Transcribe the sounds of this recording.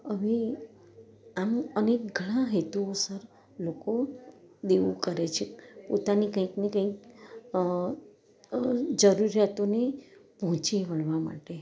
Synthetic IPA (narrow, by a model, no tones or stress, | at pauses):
əʋe | amənek̚ɡʱəɽ̃ãɦet̪uosəɾ | lokod̪eʋũkəɾet͡ʃʰepo̰t̪anikə̃ĩknekə̃ĩk̚ | d͡ʒəɾuɾjat̪onepəɦɔ̃t͡ʃiʋəɭʋama̰ʈe